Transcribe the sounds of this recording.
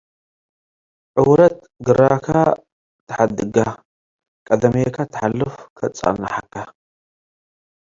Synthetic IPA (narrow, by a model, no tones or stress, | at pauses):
ʕʊwɾɐt̪ | ɡɨɾakʰa | t̪ʰɨħad̪ɨɡa | kʼɐd̪ɐmekʰat̪ʰɨ̥ħalːɨfkʰɐt͡sʼa̰nːaħakʰːa